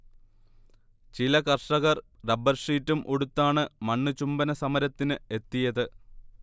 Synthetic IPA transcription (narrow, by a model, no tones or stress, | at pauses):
t͡ɕilɐkɐrʂɐɣɐr | rɐbɐrʂiːtːumʔoɽut̪ːaːɳɨmɐɳːɨt͡ɕumbɐnɐsɐmɐɾɐt̪ːinɨe̞t̪ːijɐðɨ